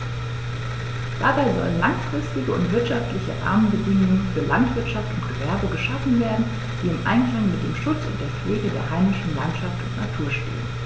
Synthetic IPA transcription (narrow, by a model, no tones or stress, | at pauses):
d̥a̰baɪzɔ̰lənlaŋfʁ̥ɪstɪɡəʊ̰ntv̥ɪɐtʃaftlɪçə̰ʔa̰ɐmənbədɪŋʊŋənfyːɐlantv̥ɪɐtʃaftʊntɡ̥əvɛɐbəɡəʃafn̩veːɐdn̩ | d̥iːɪmʔa̰ɪnkl̥aŋmɪt̚d̥ḛːmʃʊt͡sʊ̰nt̚d̥eːɐfløːdədḛːɐhaɪmɪʃn̩lantʃaftʊntna̰tʰuːɐʃtḛːən